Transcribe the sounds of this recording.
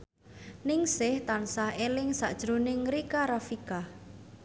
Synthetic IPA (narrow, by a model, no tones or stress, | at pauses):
nɪŋsɪht̪ansahelɪŋsa̰ʔd̥ʒ̥ɾonɪŋɾikaɾafika